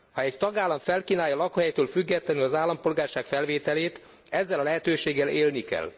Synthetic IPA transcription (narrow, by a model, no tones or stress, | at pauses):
hɒɛct̪ɒɡaːlːɒɱfɛlkiːnaːjɒlɒkohɛjt̪øːlfyɡːɛt̪lɛnylɒzaːlːɒmpo̞lɡaːrʃaːkfɛlveːt̪ɛleːt̪ | ɛzːɛlɒlɛɦɛt̪øːʃeːɡːɛleːlnikɛ̰l